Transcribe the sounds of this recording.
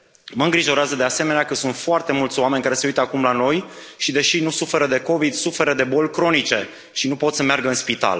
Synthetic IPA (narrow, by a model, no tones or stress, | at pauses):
məɨŋɡɾiʒo̞ɾeazəd̪ease̞me̞neakəsunt̪foart̪e̞mult̪sʲoame̞nʲkaɾe̞se̞ujt̪əakumlano̞j | ʃid̪e̞ʃinusufe̞ɾəd̪e̞ko̞vid̪sufe̞ɾəd̪e̞bo̞lʲkɾo̞nit͡ʃe̞ | ʃinupo̞t̪səmearɡəɨnspit̪a̰l